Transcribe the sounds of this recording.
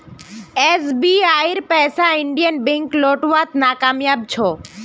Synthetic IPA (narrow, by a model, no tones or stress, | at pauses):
esbiaiɾpɛːsaɪɳɖijənbẽŋkloːʈʋat̪naːkaːmjaːb̚t͡ʃʰɔ